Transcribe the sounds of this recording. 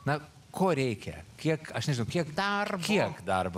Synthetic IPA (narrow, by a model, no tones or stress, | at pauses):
nɐ | kʰoːɾʲɛɪkʲɛ̰kʲiɛkɐʃnʲɛʒʲɪnʊkʲiɛkd̪ɐrkʲiɛkd̪ɐrb